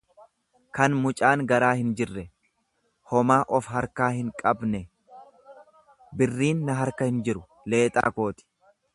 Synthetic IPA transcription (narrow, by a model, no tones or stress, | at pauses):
kɐnmʊt͡ʃʼaːŋɡɐɾaːhɪnd͡ʒɪrːɛ | hɔmaːʔɔfhɐɾkaːhɪŋkʼɐbnɛ | bɪrːiːnːɐɦɐɾkɐhɪnd͡ʒɪɾʊ | le̞ːt̪ʼa̰ːko̞ːt̪ɪ̥